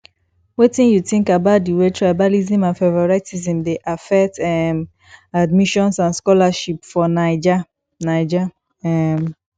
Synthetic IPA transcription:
wetĩnjuθĩŋkabaʊt̚diwetʰɹajbalizĩmãnfevɔɹaɪtizĩmdeʔafɛk̚tɛm | admiʃɔ̃nsãnskɔlaʃipfɔnaɪd͡ʒa | naɪd͡ʒa | ɛm

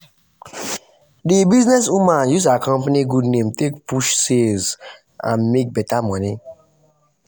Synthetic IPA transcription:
dibiznɛs̬umãjuzakʰɔ̃mpaniɡudnẽmtʰekpʰuʃsez | ã̰nmek̚bɛtamɔni

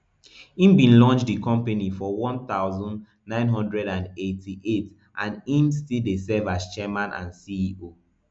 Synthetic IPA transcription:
ĩmbĩnlɔ̃nt͡ʃdikɔ̃mpanifɔwɔ̃nθaʊzɔ̃nd | nãɪ̃nɦɔ̃ndɹɛɾãnetʰiʔet | ʔãnĩmstildesɛvast͡ʃɛmãnʔã̰nsiio

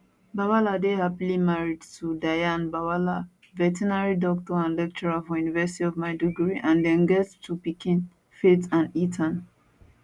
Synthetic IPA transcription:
bawaladehapilimaɹidtʰudajãnbawala | vɛtinaɹidɔk̚tɔãnlɛk̚t͡ʃɔɹafɔjunivɛsitiɔvmaɪduɡɹiʔãndɛ̃nɡɛttʰupikĩn | fetãnitʰãn

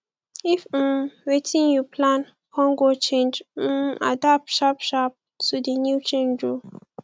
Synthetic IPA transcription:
if̩mwetʰĩnjupʰlãn | kʰɔ̃ŋɡot͡ʃẽnd͡ʒ̩a̰dap̚ʃapʃap̚ | tʰudinjut͡ʃẽnd͡ʒɹɔ

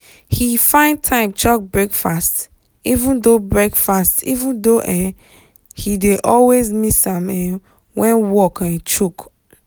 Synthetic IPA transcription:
hifãɪ̃ndtʰãɪ̃mt͡ʃɔk̚bɹekfast | ivũndobɹɛkfastḭvũndoʔɛ̃ | hideʔɔlwezmisãmɛ̃ | wɛ̃nwɔkɛ̃t͡ʃuk

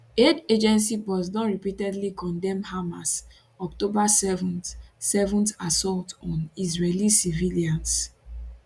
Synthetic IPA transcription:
eded͡ʒɛ̃nsibɔz̬nɔtɹipitɛdlikɔ̃ndɛ̃mhamas | ɔktobasɛvɔ̃nsɛvɔ̃ntasɔltɔ̃nisɹelisiviliãns

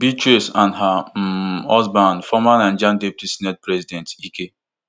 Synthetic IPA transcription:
bitɹisãndɦa | ɔzbãnfɔmanãnd͡ʒãndɛp̚tisnɛt̚pɾɛzidɛ̃ntike

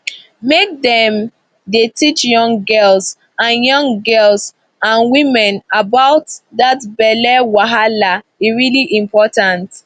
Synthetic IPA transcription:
mek̚dɛ̃m | detit͡ʃjɔ̃ŋɡɜls | ãnjɔ̃ŋɡɜls | ãnwĩmɛ̃nabaʊtdatbɛlɛwaɦala | iɹiliʔĩmpɔtãnt

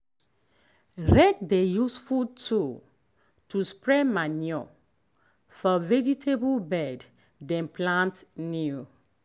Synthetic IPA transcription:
ɹɛk̚dejusfud̚tʰu | tuspɹɛmanjɔ | fɔvɛd͡ʒitʰebulbɛd | dɛ̃nplãntni

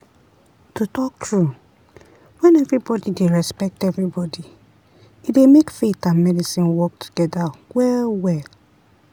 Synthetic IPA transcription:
tutɔk̚tɹu | wɛ̃nɛvɹibɔdideɹɛspɛk̚tɛvɹibɔdi | idemekfetãnmɛdisĩnwɔk̚tʰu̥ɡ̥ɛdawɛwɛ

